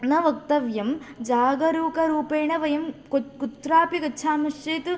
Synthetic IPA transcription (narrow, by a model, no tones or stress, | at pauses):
nɐʋɐk̚t̪ɐʋjɐmd͡ʒaːɡɐɾuːkɐɾuːpeːɳɐʋɐjɐmkkut̪ɾaːpikɐːʃʰaːmɐʂt͡ʃeːt̪u